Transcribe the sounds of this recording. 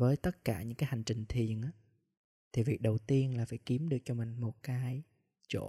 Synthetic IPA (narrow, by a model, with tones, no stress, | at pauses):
vəː˨˦jt̪ə˦˥t̚kaː˧˩ɲɨ̰˧˥ŋkaː˨˦jha˨˩jŋ̟t͡ɕï˨˩ŋ̟t̪ʰi˨˩ənʔaː˨˧˦ | t̪ʰi˨˩vi˨˩ək̚ɗə˨˩wt̪i˧ənlaː˨˩faː˧˩jki˨˦əmɗɨ˨˩ək̚t͡ɕɔ˧mï˨˩ŋ̟mo˨˩t̚kaː˨˦j | t͡ɕo̰˧˩